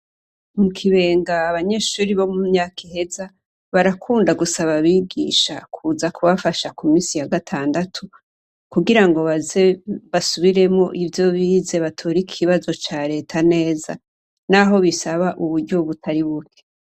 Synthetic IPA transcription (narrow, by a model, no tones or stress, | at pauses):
mukʰiβe̞ːŋɡaːβaɲe̞ːʃuːɾiβo̞mumɲaːkʰihe̞za | βaɾakʰuːndaɡusaβaβiːɡḭːʃakʰuːzakuβafaʃakumiːnsijaɡatʰaːndatʰu | kuɡiɾaŋɡo̞βazeβasuβiɾe̞mŋo̞ʔivjo̞βiːze̞βatʰoɾikʰiβazo̞t͡ʃaɾe̞ːtʰane̞ːza | naɦo̞βisaβaʔuβuɾɟo̞βutʰaɾiβukʰe̥